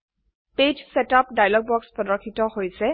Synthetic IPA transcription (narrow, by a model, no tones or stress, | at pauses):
ped͡ʒsɛtapdajlɔɡ̚bɔkspɹɔdɔɹkʰːitɔhojsɛ